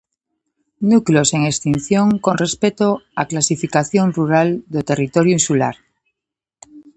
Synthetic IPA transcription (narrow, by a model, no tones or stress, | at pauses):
nuklo̞se̞ŋekst̪inθjoŋko̞nre̞spet̪oaklasifikaθjo̞nruɾald̪ot̪e̞rit̪oɾjuinsula̰ɾ